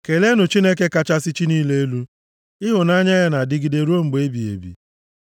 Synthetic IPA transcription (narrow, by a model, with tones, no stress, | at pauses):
ke˨le˦nʊ˨t͡ʃi˦ne˦k̬e˦ka˦t͡ʃa˦sɪ˦t͡ʃi˦niː˦le˦e˦lu˦ | ɪ˦ɦʊ˨na˦ɲa˦ja˦na˨dɪ˦ɡɪ˦de˨ɾu˦o˦ŋ͡m̩˨ɡ͡be˨˦e˦bi˨ḛ˨bḭ˨